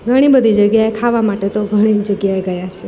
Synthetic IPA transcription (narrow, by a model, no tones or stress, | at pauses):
ɡʱəɽ̃ibəd̪ʱid͡ʒəɡjaekʰaʋamaʈet̪oɡʱəɽ̃id͡ʒəɡjaeɡəjat͡ʃʰe